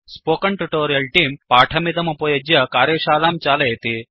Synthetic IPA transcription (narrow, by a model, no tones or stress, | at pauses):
spokɐɳʈuʈoɾijɐlʈiːmpaʈʰɐmid̪ɐmɐpojɐd͡ʑjɐkaːɾjeɕaːlamt͡ɕalejt̪e